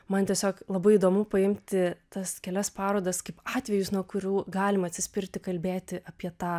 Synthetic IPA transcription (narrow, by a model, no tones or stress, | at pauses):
mɐnt̪ʲiɛsʲoːklˠɐbɐɪiːd̪oːmʊpɐɪmʲt̪ʲɪt̪ɐskʲɛlʲɛspɑːɾoːd̪ɐskɐɪpɑːt̪ʲʋʲɛjʊsnuɔkʊɾʲuːɡɑːlʲɪmɐt̪ʲsʲɪsʲpʲɪrʲt̪ʲɪkɐlʲbʲeːt̪ʲɪʔɐpʲiɛt̪ɑː